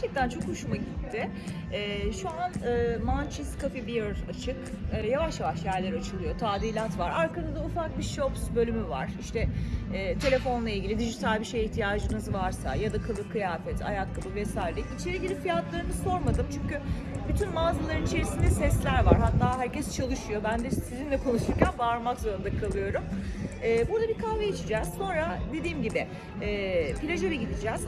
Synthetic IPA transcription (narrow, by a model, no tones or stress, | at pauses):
ɾt͡ʃʰɛc̚t̪ænt͡ʃʰo̞kuʃumaɟit̪ʰːɪ | ɛːʃuanɯːmant͡ʃʰiskʰafibiɾat͡ʃʰɯkːjavaʃjavaʃjæɾlʲeɾat͡ʃʰɯlˠɯjo̞t̪ʰaːd̪ilʲat̪vaɾaɾkanɯzd̪aufak̚biʃopsbø̞lʲymyva̰ɾ̥iʃt̪ɛːt̪ʰe̞lʲe̞fo̞nlˠailʲɟilʲid̪id͡ʒit̪ʰalʲbiʃe̞jiht̪ʰijaːd͡ʒɯnɯzvaɾsa̰jad̪akʰabɯkʰɯjaːfɛt̪ʰa̰jakʰːabɯvɛsaːjiɾɛit͡ʃʰeiɟilʲifijat̪lˠaɾɯnɯso̞ɾmad̪ɯmt͡ʃʰyɲcy | byt̪ʰynmaːzɯlˠaɾɯnit͡ʃʰe̞ɾisind̪ɛsɛslʲæɾvaɾɦat̪ʰːaːɦæɾcɛst͡ʃʰalˠɯʃujo̞bænd̪ɛsizinlʲɛkʰo̞nuʃt̪uɾcʰanbaɾmakzo̞ɾund̪akʰalˠɯjo̞ɾumɛːbuɾd̪abikʰaveat͡ʃʰid͡ʒɛz̥so̞nɾad̪e̞d̪iːmɟibɪ | ɛːpilʲeʒelʲɛɟid̪id͡ʒɛːz̥